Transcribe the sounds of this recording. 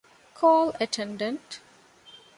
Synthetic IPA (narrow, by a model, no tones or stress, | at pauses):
kʰɔːləʈʰɛ̃nɖə̃nʈ